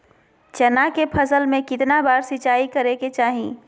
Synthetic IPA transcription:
t͡ʃɛnakepʰəsəlmẽkɪt̪nabaːɾsɪt͡ʃaːikɐɾeket͡ʃaːɦḭ̃ː

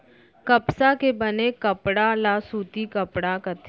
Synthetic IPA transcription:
kɐpsakebɐnekɐpɽalasuːt̪ikəpɽakɐt̪ʰ

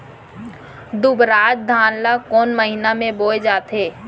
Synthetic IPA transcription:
d̪ʊbɾaːd͡ʒ̚d̪ʱaːnlakɔːnməɦɪnamẽboːed͡ʒaːt̪eː

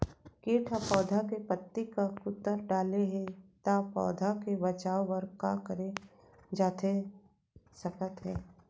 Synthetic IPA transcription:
keːʈʰapɔːd̪ʱakepət̪ːikakʊt̪ːəɾɖaːleɦɛt̪apɔ̰ːd̪ʱakebɐt͡ʃaːoʋəɾkakəɾe | d͡ʒaːt̪ʰe | sɐkət̪ɦɛː

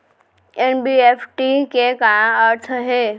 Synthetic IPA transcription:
enbiepʰʈikekajãəɾt̪ʰɦe

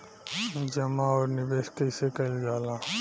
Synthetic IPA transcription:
d͡ʒɐmaɔːɾnɪbeːskəɪsekɐld͡ʒaːla

